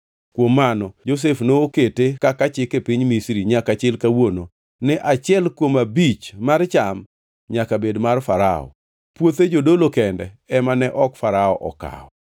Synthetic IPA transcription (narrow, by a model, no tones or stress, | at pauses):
kwomːanɔd͡ʒos̬efnooketekakat͡ʃɪkepiɲmisɾiɲakat͡ʃɪlkawono | nɪʔat͡ʃɪɛlkwomabit͡ʃmart͡ʃam | ɲakabedmarfaɾa̰ɔ̰ | pwot̪ed͡ʒodolokɛndɛ | ɛmanɛʔɔkfaɾaɔʔɔ̰ka̰ɔ